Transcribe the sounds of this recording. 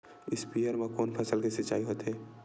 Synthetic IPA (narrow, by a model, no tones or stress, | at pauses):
ɪspijəɾmẽkoːnpʰɐsəlkisɪt͡ʃːa̰ːiɦoːt̪ɦɛː